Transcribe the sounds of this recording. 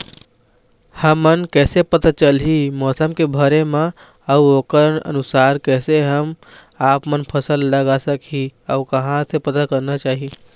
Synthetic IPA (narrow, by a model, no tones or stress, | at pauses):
həmːənkɛːsepət̪at͡ʃəlimɔːsəmkebʱəɾemã | əuoːkəɾnə̰nʊsaːɾkɛːseɦəm | aːpmənpʰəsəlːəɡasəkʰiəukɐɦãsepət̪akəɾnat͡ʃaːɦi